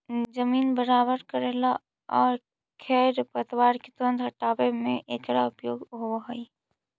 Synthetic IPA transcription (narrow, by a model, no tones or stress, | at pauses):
d͡ʒəmiːnbəɾaːbəɾkəɾeːla | ɔːɾ | kʰɛːɾpət̪waːɾket̪ə̃nd̪ɦɐʈaːbemẽʔeːkɾaʊpjoːɡɦowaɦoi